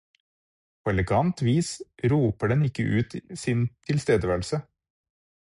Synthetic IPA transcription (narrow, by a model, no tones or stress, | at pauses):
pʰoːɛləɡɑnt̪ʋiːsɾuːpəɖɛnɪkəʔʉːt̪sɪnt̪ʰɪlst̪eːd̪əʋæːɭ̩sə